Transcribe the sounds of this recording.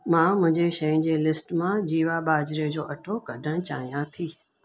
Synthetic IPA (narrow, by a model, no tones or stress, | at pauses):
mãːmʊ̃ɦɪ̃ɲd͡ʑeʃɐjʊ̃n̆d͡ʑeːlɪsʈmãd͡ʑiːʋaɓaːd͡ʑɾed͡ʑoːʔɐʈʰokɐɖʱəɽ̃t͡ɕa̰ːɦijãt̪ʰiː